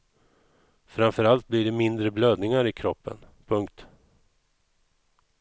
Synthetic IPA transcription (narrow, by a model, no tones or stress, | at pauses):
fɾamfœɾalt̪̚blɪɖɛmɪnd̪ɾəbløːd̪nɪŋaɾɪkʰɾɔpːə̰npʰɵŋk̚t̪